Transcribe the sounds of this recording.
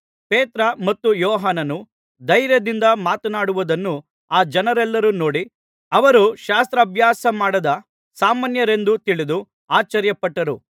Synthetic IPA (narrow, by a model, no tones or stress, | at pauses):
peːt̪ɾɐmɐt̪ːujɔːɦaːnɐnu | d̪ɐjɾjɐd̪ind̪ɐmaːt̪ɐnaːɽuʋud̪ɐnːu | aːd͡ʒɐnɐɾɛlːɐɾunoːɽi | ɐʋɐɾuʃaːst̪ɾɐːbʱjaːsɐmaːɽɐd̪ɐ | saːmaːnjɐɾe̞nd̪ut̪iɭid̪u | aːt͡ʃɐɾjɐpɐʈːɐɾu